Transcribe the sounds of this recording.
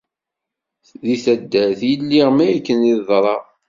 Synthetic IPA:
ðiθæd̪ːæθjəlːiʁmæjækːəniðˤɾˤɑ

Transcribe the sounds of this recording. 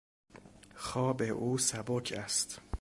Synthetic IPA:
xɒːbeʔuːsæbokʰæst̪

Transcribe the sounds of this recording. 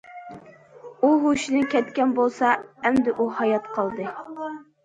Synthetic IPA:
uɦuʃinɨkʲʰɛt̪kʲɛnbolˠsɑɛmd̪ɪʔuhɑjɑt̪qʰɑlˠd̪ɨ

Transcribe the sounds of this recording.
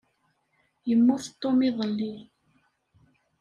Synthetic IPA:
jəmːʊθt̪ˤːomiðˤəlːi

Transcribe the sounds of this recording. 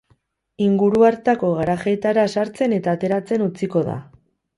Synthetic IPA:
iŋɡuɾuaɾt̪ako̞ɣ̞aɾaxejt̪aɾasaɾt͡se̞ne̞t̪aːt̪e̞ɾat͡se̞nut͡siko̞ða̰

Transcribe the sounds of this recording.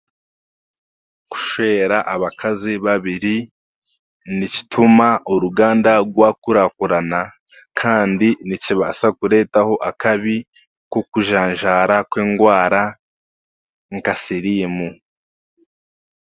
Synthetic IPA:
ku̥ʃweːɾaʔaβakʰaziβaβiɾi | nici̥tʰumaʔuɾuɡaːndaɡwakuɾakuɾana | kʰaːndiniciβasakuɾe̞ːtaho̞ʔakaβi | kokuʒaːɲʒaːɾakweːŋɡwaːɾa | ŋkasiɾimu

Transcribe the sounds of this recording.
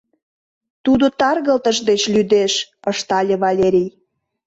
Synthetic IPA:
t̪ud̪ot̪ɑrɣəlt̪əʒd̪et͡ɕlʲyd̪eʃəʃt̪ɑlʲeβɑlʲeɾʲij

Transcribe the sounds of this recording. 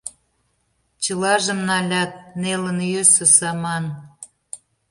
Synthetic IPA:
t͡ɕəlɑʒə̆mnɑlʲɑt̪̚nelə̆njøsɤ̆sɑmɑn

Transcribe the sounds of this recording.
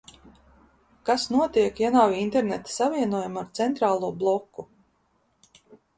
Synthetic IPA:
kasnuɔt̪iɛkjanawint̪eɾnɛt̪savʲiɛnuɔjumaɾt̪sɛnt̪ɾaːlˠuɔblˠɔkːu

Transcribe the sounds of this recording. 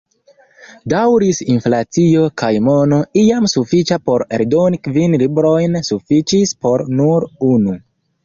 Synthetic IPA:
dawɾisinflat͡sio̞kajmo̞noiamsufit͡ʃapo̞ɾḛɾdo̞nikvinlibɾo̞jnsufit͡ʃispo̞ɾnuɾunu

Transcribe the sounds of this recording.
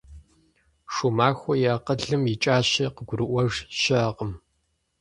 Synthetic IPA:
ʂumaːxʷɔjaːqəɮɨmjɪt͡ʃʼaːɕɪqəɡʷʊɾɨʔʷɔʒɕɐqəm

